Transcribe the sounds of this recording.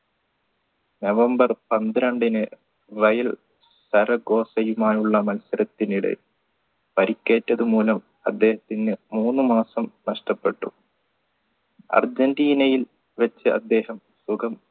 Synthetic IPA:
nɐʋɐmbɐrpɐnd̪ɾɐɳɖinɨ | rɐjɐl | sɐɾɐɡo̞ːsɐjumaːjuɭːɐmɐnsɐɾɐt̪ːiniɽḛ | pɐɾikʲːe̞ːtːɐðumuːlɐm | ɐd̪ːe̞ːhɐt̪ːinːɨmuːnːɨmaːsɐmnɐʂʈɐpːe̞ʈːṵ | ɐ̰rd͡ʑɐndiːnɐjil | ʋɐt͡ɕːɨʔɐ̰d̪ːe̞ːhɐm | suɡɐm

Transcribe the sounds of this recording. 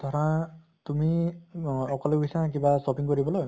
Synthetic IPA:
d̪̥ʱɔɾã | t̪umi | ɔkɔleɡisãk̬ibasɔpiŋkɔɾibɔlɔj

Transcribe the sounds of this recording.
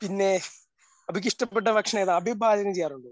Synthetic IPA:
pinːe̞ | ɐbik̬ʲːiʂʈɐpːeʈ̬ːɐbʱɐkʂɐɳɐeðaɐbʱibʱaːd͡ʑɐnɐmt͡ɕejːaːruɳɖɨ

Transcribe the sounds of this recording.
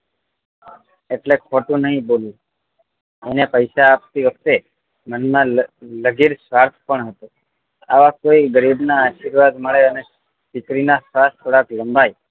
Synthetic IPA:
eʈlekʰoʈũnəɦĩbolũ | enepəjʃaːp̚t̪iʋək̚ʰt̪e | mənmãləɡiɾsʋaɾt̪ʰpəɳɦət̪u | aʋakoiɡəɾibnaːʃiɾʋad̪məɭeəne | pikɾinasʋast̪ʰoɽakləmbʱaj

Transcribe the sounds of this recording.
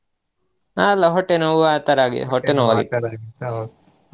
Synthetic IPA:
aːlɐɦoʈenouʋaːt̪ɐɾaːɡḛɦoʈːenoʋɐɡet̪ː

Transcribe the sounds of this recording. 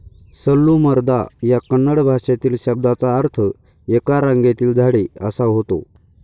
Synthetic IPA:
səlːuməɾd̪ajakənːəɽbʱaɕat̪iːlɕəb̚d̪at͡saːɾt̪ʰə | ekaɾãŋɡet̪iːld͡zʱaɽeəsaɦot̪o̰

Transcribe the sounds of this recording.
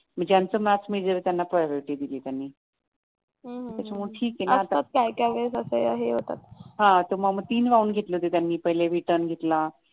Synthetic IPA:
m̤ə̃ɳd͡ʑejant͡somæt͡smiɭd͡zəʋet̪janːapɾajoʋɾeʈid̪iliːt̪janːiː | ɦt̪jat͡ɕaməʈʰiːkjenaat̪aat̪̚kajkaʋəsəsəa̰ɦeɦot̪a̰t̪̚ɦãt̪oməməɡ̚t̪iːnʋaunɡʱet̪let̪et̪janːiːpəɦileɾiʈəɾnɡʱet̪la

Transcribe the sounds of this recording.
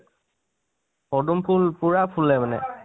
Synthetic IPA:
pɔdumpʰulpuɹapʰulɛmanɛ̰

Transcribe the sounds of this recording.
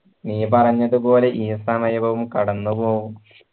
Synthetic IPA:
niːpɐrɐɲːɐðupo̞ːleʔiːsɐmɐjɐʋɐʋumkɐɽɐnːupo̞ːɣum

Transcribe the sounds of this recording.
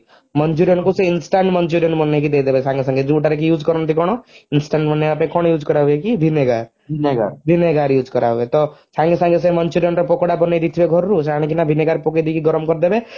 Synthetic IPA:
mɔnd͡ʒuɾijɔnkuseinsʈaɳʈmɔnd͡ʒuɾijɔnmɔnːek̬id̪ed̪ebesʰãŋɡesãŋɡed͡ʒuʈaɾek̬ijuːd͡ʒkɔɾɔnt̪ikɔɽ̃ɔinsʈaɳʈmɔnːeapekɔɽ̃ɔjuːd͡ʒkɔɾaɦekibʱineɡaɾ | bʱineɡa̰bʱineɡaɾjuːd͡ʒkɔɾaɦbet̪ɔsʰãŋɡesãŋɡes̬emɔnt͡ʃuɾijɔnɾɔpɔkɔɽapɔned̪it̪ʰibeɡʱɔɾɾusaɽ̃ikinabʱineɡaɾpɔked̪ikiɡɔɾɔmkɔɾd̪ebe

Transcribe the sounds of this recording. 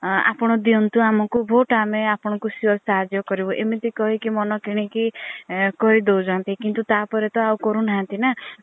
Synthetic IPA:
a̰pɔɽ̃ɔd̪iɔnt̪uamɔkubʱoʈameapɔɽ̃ɔkusiɔlsaɦad͡ʒjɔkɔɾibɔʔemit̪ikɔɦikimɔnɔkiɽ̃iki | kɔɦid̪ewd͡ʒant̪ikint̪ut̪apɔɾet̪ɔawkɔɾunaɦant̪ina

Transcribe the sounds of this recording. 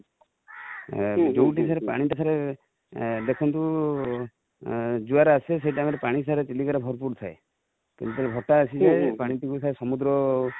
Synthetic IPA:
d͡ʒowʈisaɾepa̰ɽ̃iʈisʰaɾe | d̪ekʰɔnt̪u | d͡ʒuaɾases̬ejʈameɾepaɽ̃isaɾet͡ʃilikɔɾabʱɔɾpuɾt̪ʰae | kḭnt̪ut̪ɔɾebʱɔʈaːsid͡ʒapaɽ̃iʈikusʰaɾesɔmud̪ɾɔ

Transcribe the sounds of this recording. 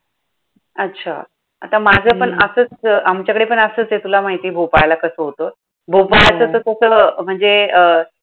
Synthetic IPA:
ətːɕʰa̰ | a̰t̪amad͡zʱəːpəɳəsəːt͡samt͡ɕjakəɽepəɳəsəːt͡sjet̪ulamaɦit̪iːbʱopajlakəsəɦot̪o | bʱopajt͡sət̪ət̪əsəːm̤əɳd͡zeə

